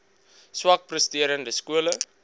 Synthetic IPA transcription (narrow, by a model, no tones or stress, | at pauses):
swɐk̚prəstiəɾəndəskuələ